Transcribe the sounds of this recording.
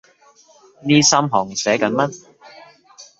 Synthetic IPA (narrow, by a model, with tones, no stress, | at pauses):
niː˥sɐ˥mɦɔː˨˩ŋsɛː˨˥kɐ˨˥nmɐ˥n̚